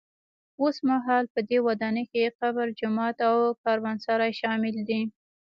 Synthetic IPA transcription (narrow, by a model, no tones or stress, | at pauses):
osmaɦɑlpəd̪ewad̪ɑnəkeqabaɾd͡ʒʊmɑt̪awkɑɾwansaɾɑjʃɑmɪld̪i